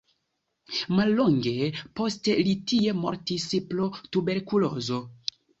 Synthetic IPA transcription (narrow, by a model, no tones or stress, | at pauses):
malːoŋɡe̞po̞stelitie̞mo̰ɾtisplotube̞ɾkulozo̞